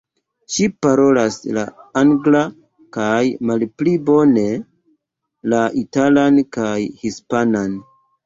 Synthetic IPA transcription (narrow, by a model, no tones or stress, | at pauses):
ʃipaɾo̞lasla̰aŋɡla | kajmalplibo̞ne̞ | laʔitalankajhispanan